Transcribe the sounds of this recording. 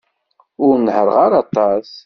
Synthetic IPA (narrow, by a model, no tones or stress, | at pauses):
ʊɾnħəɾˤʁaɾɑt̪ˤɑs